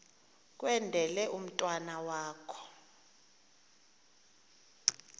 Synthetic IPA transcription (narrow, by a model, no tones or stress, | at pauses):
k̬ʼwɛndʱɛlɛʔum̩tʼwanawaːkʰɔ̥